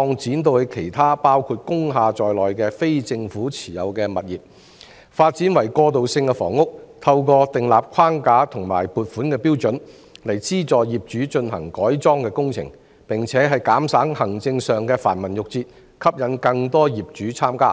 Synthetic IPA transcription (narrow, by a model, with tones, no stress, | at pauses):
ɔː˧ŋt͡siː˨˥nt̪o˧whe˨˧jkʰe˨˩jt̪ʰaː˥paː˥wkʰuː˧t̚kʊ˥ŋɦaː˧t͡sɔː˨jlɔː˨jkɛː˧fe˥jt͡sɪ˧ŋfuː˨˥t͡sʰi̥ː˨˩jɐ̰˨˧wkɛː˧mɐ˨t̚jiː˨p̚ | faː˧t̚t͡siː˨˥nwɐ˨˩jkɔː˧t̪̬o˨wsɪ˧ŋkɛ˧fɔ̰ː˨˩ŋːʊ˥k̚t̪ʰɐ˧wkɔː˧t̪ɪ˨ŋlaː˨p̚kʰwaː˥ŋkaː˨˥t̪ʰʊ˨˩ŋma̰ː˨˩jpuː˨t̚fuː˨˥nkɛː˧piː˥wt͡sɵ˨˥n | lɐ˨˩jt͡siː˥t͡sɔː˨jjiː˨p̚t͡ʃyː˨˥t͡ʃɵ˧nɦɐ̰˨˩ŋkɔː˨˥jt͡sɔː˥ŋkɛː˧kʊ˥ŋt͡sʰɪ̰˨˩ŋ | pɪ˨˩ŋt͡sʰɛː˨˥ɦɐ˨jkaː˨˥msaː˨˥ŋhɐ˨˩ŋt͡sɪ˧ŋsœː˨ŋkɛː˧faː˨˩nmɐ˨˩njʊ˨k̚t͡siː˧t̚ | kʰɐ˥p̚jɐ˨˥nkɐ˧ŋt̪ɔː˥jiː˨˩p̚t͡ʃyː˨˥t͡sʰaː˥mkaː˥